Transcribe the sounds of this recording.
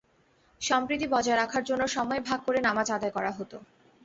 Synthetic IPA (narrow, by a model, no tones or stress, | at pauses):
ʃɔmpɾit̪ibɔd͡ʑaeɾakʰaɾd͡ʑonːoʃɔmɔebʱaɡ̚koɾenamad͡ʑad̪aekɔɾaɦot̪o